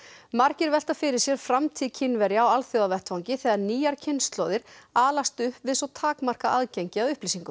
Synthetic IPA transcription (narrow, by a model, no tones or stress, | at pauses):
mar̥cɪɾvɛl̥t̪afɪɾɪɾ̥sjɛɾ̥fɾamt̪ʰiːðcʰɪnvɛɾjaawalθjowðavɛht̪fawɲcɪθɛɣaɾniːjaɾ̥cʰɪnst̪lɔwðɪɾaːlast̪ʏhpvɪðsɔt̪ʰaːkmar̥kaʔaðcejɲcɪaðʏhpliːsiŋkʏ